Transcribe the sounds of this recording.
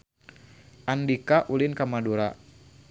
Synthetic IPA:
ʔandikaʔulinkamaduɾa̰

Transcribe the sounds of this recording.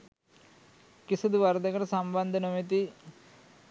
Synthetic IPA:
kisɐd̪ɨʋɐɾd̪ʱɐɣɐɾɐsɐmbɐnd̪ʱɐnomit̪i

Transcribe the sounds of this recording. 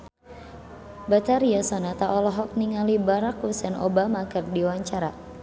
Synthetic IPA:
bat̪aɾiasɔnat̪aʔɔlɔɦɔk̚niŋalibaɾakusɛno̰bamakɨrdiwaɲt͡ʃaɾa

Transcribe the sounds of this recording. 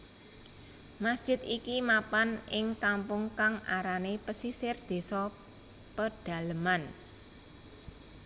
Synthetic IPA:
masd̥ʒ̥ɪ̤t̪ikimapanɪŋkampʊŋkaŋʔaɾanepəsisɪrd̪̥e̤sɔ | pəd̥a̤ləman

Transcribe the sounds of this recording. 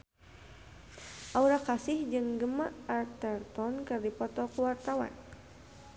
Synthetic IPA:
ʔauɾakasɪhd͡ʒɨŋɡəmaʔart̪ɛrt̪ɔnkɨrdipɔt̪ɔkuwart̪awa̰n

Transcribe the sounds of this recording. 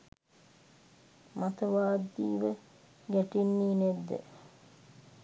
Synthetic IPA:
mat̪əʋaːd̪ːiːʋə | ɡæʈinːiːned̪ːḛ

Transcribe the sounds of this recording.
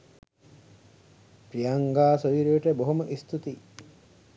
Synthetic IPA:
pɾijɐŋɡaːsoʋiɾijoʈəboɦoməʔist̪ut̪i

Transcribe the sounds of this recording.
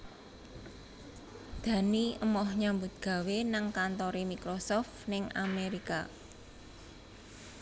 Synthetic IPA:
d̪̥ä̤niəmɔhɲambʊt̪̚ɡ̥ä̤wenaŋkant̪ɔɾimikɾosɔft̪nɪŋa̰meɾika̰

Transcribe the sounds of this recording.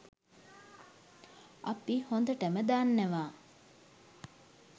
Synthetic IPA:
apihond̪əʈəməd̪aːnːæʋaː

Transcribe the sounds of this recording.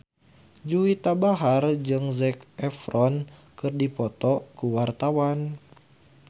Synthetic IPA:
d͡ʒuit̪abaɦard͡ʒɨŋzɛkɛfɾɔnkɨrdipɔt̪ɔkuwart̪awan

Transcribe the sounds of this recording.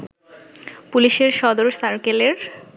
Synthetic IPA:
puliʃeɾʃɔd̪oɾsaɾkeleɾ

